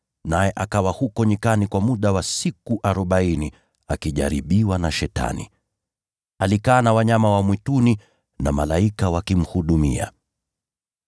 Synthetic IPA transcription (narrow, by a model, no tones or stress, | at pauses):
najɛʔakawahukɔɲikanikwamuɗawasikuʔaɾɔɓaini | akiʄa̰ɾiɓiwanaʃɛta̰nḭ | alikaːnawaɲamawamwituni | namalaikawakim̩huɗumḭa̰